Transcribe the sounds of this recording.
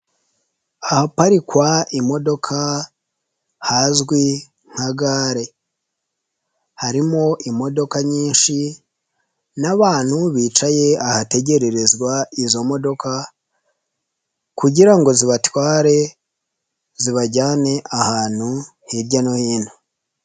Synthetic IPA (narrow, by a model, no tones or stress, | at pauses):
ahapaɾikwaimo̞do̞kʰa | haːzɡwi | ŋ̥haɡaːɾe̞ | haɾimo̞ʔimo̞do̞kaɲiːnʃi | naβaːn̥huβiːt͡ʃaje̞ahate̞ɟe̞ɾe̞ɾe̞zɡwaizo̞mo̞do̞kʰa | kuɟiɾaŋɡo̞ziβatwaːɾe̞ | ziβaɟaːne̞ʔahaːn̥hu | hiɾɟanohiːn̥hu